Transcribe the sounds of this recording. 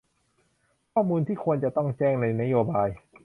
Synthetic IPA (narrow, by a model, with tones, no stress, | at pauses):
kʰɔː˥˩muː˧nt̪ʰiː˥˩kʰu˧ənt͡ɕa˨˩t̪ɔ˥˩ŋt͡ɕɛː˥˩ŋna˧jna˦˥joː˧baː˧j